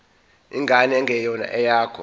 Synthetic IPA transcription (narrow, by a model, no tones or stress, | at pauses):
iŋɡʱanɛŋɡʱɛjɔna̰ʔɛjaːkʰɔ̰